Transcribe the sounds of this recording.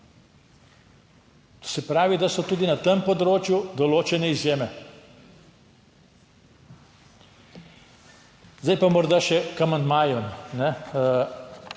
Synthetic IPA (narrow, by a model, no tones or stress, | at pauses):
t̪o̥sɛpɾaːʋid̪asɔt̪uːd̪inat̪empɔd̪ɾoːt͡ʃjud̪ɔloːt͡ʃɛnɛizjeːmɛ | zd̪ajpamɔɾd̪aʃɛkamanmajɔnnɛ